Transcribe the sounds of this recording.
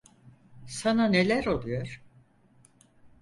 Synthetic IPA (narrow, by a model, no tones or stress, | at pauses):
sanane̞lʲæɾo̞lˠujoɾ̥